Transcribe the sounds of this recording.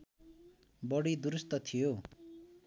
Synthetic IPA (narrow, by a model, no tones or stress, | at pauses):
bʌɽid̪uɾust̪ʌt̪ʰijo